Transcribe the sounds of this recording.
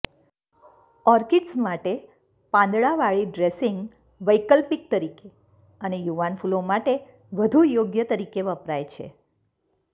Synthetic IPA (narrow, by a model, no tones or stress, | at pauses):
ɔɾkiʈsmaʈe | pãnd̪ɭaʋaɭiɖɾesiŋɡ | ʋəjkəlpik̚t̪əɾike | ənejuʋanfulomaʈe | ʋəd̪ʱujoɡjət̪əɾikeʋəpɾajt͡ʃʰḛ